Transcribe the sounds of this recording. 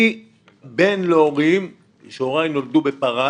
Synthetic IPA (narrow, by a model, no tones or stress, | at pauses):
i | benleoʁim | ʃeoʁajinold̪ubepaʁa